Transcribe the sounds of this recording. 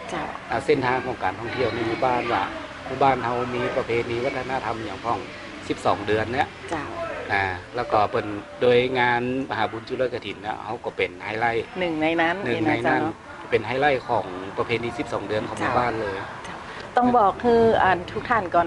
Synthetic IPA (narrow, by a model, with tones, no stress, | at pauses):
t͡ɕa˧˩ʔaː˧˩se˥˩nt̪ʰaː˧ŋkʰɔː˩˦ŋkaː˨˩nt̪ʰɔ˥˩ŋt̪ʰi˧˩ə˨wna˧˩˨jmuː˧˩baː˥˩˨nwaː˧˩ | muː˧˩baː˥˩nha˧wmiː˧pa˧pʰeː˧niː˧wa˦˥t̪ʰːa˧na˧˥˨t̪ʰa˧mja˨˩˦ŋkʰɔ˧˩ŋ | si˨˧˦p̚sɔː˩˦ŋdɯ˧ənːa˧˩˨ʔt͡ɕa˧˩ʔaː˧˩lɛː˧˩wkɔ˧˩pɤ˨˩ndoː˧jŋaː˧nma˧ɦaː˩˦buː˧˦nt͡ɕʰu˧loː˧˥˨ka˧t̪ʰi˨˦nːa̰˧˥ha˧˩wkɔ˧˩pe˨˩nha˧˩jla˧˥˩jnɯ˨˩ŋna˧jna˦˥˨nnɯ˨˩˧ŋa˧jna˧˥˩n˧˩ | pe˨˩nɦa˧˩˨jla˧˥˩jkʰɔː˩˦ŋpa˧pʰeː˧niː˧si˧˦˩p̚sɔː˨˦ŋdɯ˨˧ənkɔː˨˩˦muː˧˦baː˥˩˨nlɤː˧jt͡ɕa˧˩ | t̪ɔ˥˩ŋbɔː˨˩kʰːɯː˧˩ʔaː˨˩nt̪ʰuː˦˥k̚t̪ʰaː˥˩nkɔː˨˩